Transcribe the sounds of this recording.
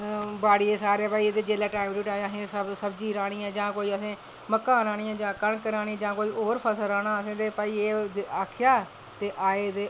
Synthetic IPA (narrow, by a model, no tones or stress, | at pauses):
baːɽiːeːsaːɾeɛːpaːiːeːd̪eːd͡ʒeːlaːʈaːɪmɾuːʈaːd͡ʒãsẽːsəsəbd͡ʒiːɾaːɽ̃ĩːãːd͡ʒãːkoːiːəsẽː | məkːãːɾãːɽ̃iːãːd͡ʒãːkəɳkəɾaːɽ̃ĩːd͡ʒãːkoːiːʔoːɾpʰəsəɾaːɽ̃aːəsẽːd̪eːpaːiːeːd̪eaːkʰjaː | t̪eːʔaːeːd̪eː